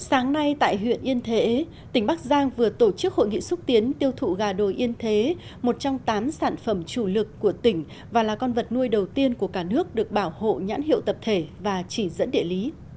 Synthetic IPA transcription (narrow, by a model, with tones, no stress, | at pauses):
saː˨˦ŋna˧jt̪a̰ː˧˨jɦwḭ˧˨ənʔi˧ənt̪ʰe˨˦ | t̪ï˧˩ŋ̟ɓa˦˥k̚zaː˧ŋvɨ˨˩ət̪o˧˩t͡ɕɨ˦˥k̚ho̰˧˨jŋḭ˧˨sʊ˦˥t̚t̪i˨˦ənt̪i˧əwt̪ʰṵ˧˨ɣaː˨˩ɗo˨˩jʔi˧ənt̪ʰe˨˦mo˨˩t̚t͡ɕɔ˧wŋ͡mt̪aː˨˦msaː˧˩nfə˧˩mt͡ɕu˧˩lɨ˨˩kːu˧˩ət̪ï˧˩ŋ̟ | vaː˨˩laː˨˩kɔ˧nvə˨˩t̚nu˧əjɗə˨˩wt̪i˧ənku˧˩əkaː˧˩nɨ˦˥ək̚ɗɨ˨˩ək̚ɓaː˧˩who̰˧˨ɲa̰ː˧˥nhḭ˧˨əwt̪ə˨˩p̚t̪ʰe˧˩vaː˨˩t͡ɕi˧˩zə̰˧˥nɗḭ˧˨əli˨˦